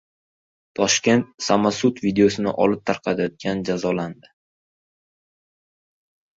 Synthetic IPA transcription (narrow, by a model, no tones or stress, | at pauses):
t̪ʰɒʃkʲe̞nt̪̚samasut̪vid̪eosɪnɪ̰ʔɒlɪp̚t̪ʰaɾqʰɑt̪ʰajɒt̪̚ɡʲand͡ʒazɒland̪ɪ